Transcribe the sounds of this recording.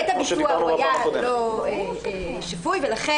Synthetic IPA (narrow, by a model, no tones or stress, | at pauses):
t̪abmisuaajaloe | ʃavujvelaχe